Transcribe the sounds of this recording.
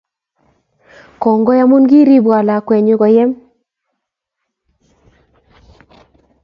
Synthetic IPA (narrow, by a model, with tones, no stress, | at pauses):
kɔ˨ŋɡɔ˦ja˦mu˦nɡi˦ɾi˦bwa˨la˨kwɛ˨ɲʊ˦ɡɔ˨jɛ˦m